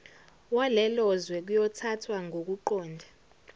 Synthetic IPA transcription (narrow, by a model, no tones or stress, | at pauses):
walɛlɔzwɛk̬ujɔtʰatʰwaŋʱok̬uǃɔːndʱa